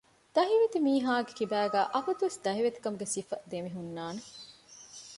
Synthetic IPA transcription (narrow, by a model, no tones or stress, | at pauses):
d̪̥ɐɦiʋet̪imiːɦaːɡekibæːɡæːʔɐfɐt̪uʋesd̪ɐɦiʋet̪i̥kɐmuɡesifɐd̪emiɦunːaːne